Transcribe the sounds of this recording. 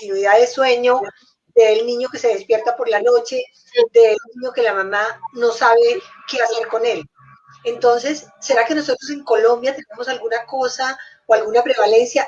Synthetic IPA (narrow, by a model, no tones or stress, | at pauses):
t̪inwiðaðeswe̞ɲo̞ | d̪e̞ːlnĩɲo̞ke̞se̞ð̞e̞spje̞ɾt̪apo̞ɾlano̞t͡ʃe̞ | d̪eːlniɲo̞ke̞lamamano̞saβe̞kease̞ɾko̞ne̞l | ent̪o̞nse̞sːe̞ɾake̞no̞so̞t̪ɾo̞s̬e̞ŋko̞lo̞mbjat̪ene̞mo̞salɡunako̞sa | oalɡunapɾe̞βale̞nsja